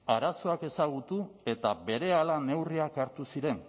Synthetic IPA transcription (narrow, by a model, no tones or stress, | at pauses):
aɾaso̞ake̞saɣ̞ut̪ue̞t̪aβe̞ɾe̞alane̞wriakaɾt̪usiɾe̞n